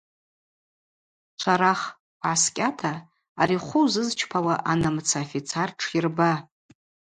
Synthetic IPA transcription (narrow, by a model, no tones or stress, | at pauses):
t͡ʃʷʰaɾaχ | ʕaskʲʼatʰaː | ɾiχʷʊwzɨzt͡ʃʰpʰawaʔanamt͡sʰafit͡sʰarʈ͡ʂʰirba